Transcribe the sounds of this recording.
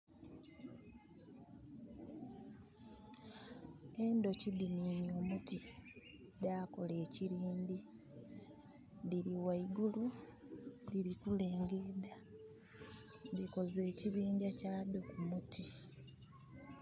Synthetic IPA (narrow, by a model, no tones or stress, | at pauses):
e̞ndo̞cidiniɲoːmuti | dako̞le̞ːciɾiːndi | diliwaiɡulu | liɾikule̞ːŋɡeda | ndiko̞ze̞ːciβiːɲɟacaːdo̞kumutʰi